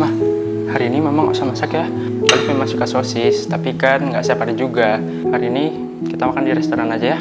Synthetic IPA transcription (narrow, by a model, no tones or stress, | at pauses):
ma | haɾiːnimemaŋo̰ʔsamasakja | lalomemaŋsukasosɪst̪apikanŋɡaʔsajapardid͡ʒuɡa | haɾiːni | kit̪amakandiɾɛst̪oɾanad͡ʒaja